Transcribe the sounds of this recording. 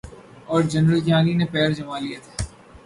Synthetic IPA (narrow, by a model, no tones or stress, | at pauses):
ɔːɾd͡ʒɐnɾəlkjãːninepɛːɾd͡ʒɐmaːlijat̪ʰaː